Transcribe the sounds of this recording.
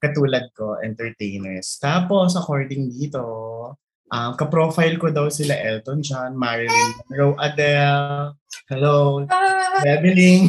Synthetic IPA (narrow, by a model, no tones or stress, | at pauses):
kɐt̪uːlɐd̪̚ko̞ʔɛ̰nt̪ɛɹt̪ejnɛst̪aːpo̞sʔɐkoɹd̪ɪŋd̪iːt̪o̞ | ʔɐmkɐpɾoːfajlkod̪ɐwsɪlɐʔɛlt̪ond͡ʒanmaɹɪliɹowʔɐd̪ɛlhɛlo | bɛbɪliŋ